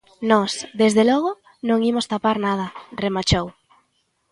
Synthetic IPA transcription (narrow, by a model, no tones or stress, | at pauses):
nɔsðezðelɔɣo | nõŋimost̪apaɾnað̞ɐremat͡ʃow